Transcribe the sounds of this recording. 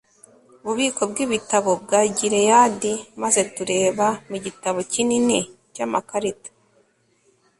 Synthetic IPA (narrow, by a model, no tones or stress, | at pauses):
uβuβiːko̞b̚ɡiβitaβo̞b̚ɡaːɟiɾe̞jadimaze̞tuɾe̞ːβamuɟitaβo̞cinini | camakaɾitḁ